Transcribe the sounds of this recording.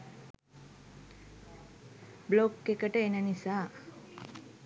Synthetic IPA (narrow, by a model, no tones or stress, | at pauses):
blokːekəʈəenənisaː